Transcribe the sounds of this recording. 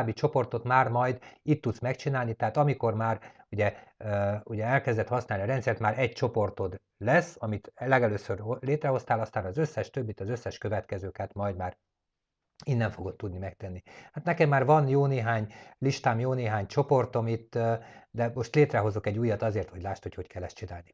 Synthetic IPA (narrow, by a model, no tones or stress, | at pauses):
bːit͡ʃo̞po̞rt̪o̞t̪maːrmɒjd̪it̪ːut̪smɛkt͡ʃinaːlnit̪ɛɦaːt̪ɒmiko̞rmaːruɟɛ | uɟɛɛlkɛzd̪ɛt̪hɒsnaːlniɒɾɛnt̪sɛrt̪maːɾɛɟ̚t͡ʃo̞po̞rt̪o̞d̪ | lɛsːɒmit̪lɛɡɛløːsøroleːt̪rɛɦo̞st̪aːlɒst̪aːnɒzøsːɛʃt̪øbːit̪ɒzø̞sːɛʃkø̞vɛt̪kɛzøːkɛt̪mɒjd̪maːɾ | inːɛɱfo̞ɡot̪ːud̪nimɛk̚t̪ɛnːihat̪nɛkɛmːaːrvɒnjoːneːɦaːɲliʃt̪aːmjoːneːɦaːɲt͡ʃo̞po̞rt̪o̞mit̪ːd̪ɛmo̞ʃt̪leːt̪rɛɦo̞zokɛɟuːjːɒt̪ɒzeːrt̪ho̞ɟlaːʃt̪ho̞cho̞ckɛlːɛst̪t͡ʃinaːlni